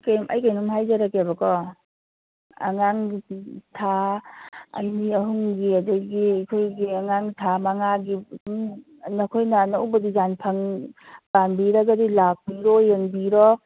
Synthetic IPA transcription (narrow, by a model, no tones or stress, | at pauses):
jkajmʔa̰jkajnɔmɦajd͡ʒaɾakebɐkɔ | ɐ̰ŋaŋitʰa | ɐ̰niɐɦuŋɡiɐdaɡiakʰojɡiaŋaŋtʰamɐŋaɡi | nɐkʰojnɐnawbɐdid͡ʒanpʰaŋb̥anbiɾaɡadilak̚biɾɔjeŋbiɾɔ